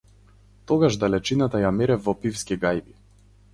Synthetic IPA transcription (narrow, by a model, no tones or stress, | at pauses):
t̪ɔɡaʒd̪alɛt͡ʃinat̪ajamɛɾɛvvɔpifskiɡajbi